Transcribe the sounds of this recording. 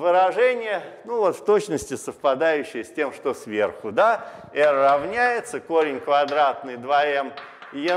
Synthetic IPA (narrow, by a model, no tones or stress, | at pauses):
vɨɾɐʐɛnʲɪjənuvot̪ft̪ot͡ɕnəsʲtʲɪsəfpɐd̪ajʉɕːɪjəsʲtʲe̞mʂt̪osvʲerxʊd̪aɛɾɾɐvnʲæjɪt̪səkoɾʲɪnʲkvɐd̪ɾat̪̚nɨjd̪vɐɛm | jɪ